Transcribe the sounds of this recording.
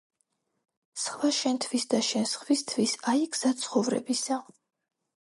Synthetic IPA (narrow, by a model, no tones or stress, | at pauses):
sχvaʃɛnt̪ʰvisd̪aʃɛnsχvist̪ʰvisaiɡz̥asʰχɔvɾɛ̰bisa